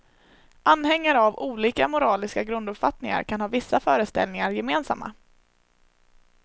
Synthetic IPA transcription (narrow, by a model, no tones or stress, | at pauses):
ʔanːhɛŋːaɾavuːliːkamʊɾɑːlɪskaɡɾɵnd̪ɵpfat̪nɪŋa̰ɾkʰanhɑːvɪsːafœːɾəst̪ɛ̰lnɪŋaɾjɛmeːnsa̰mːa̰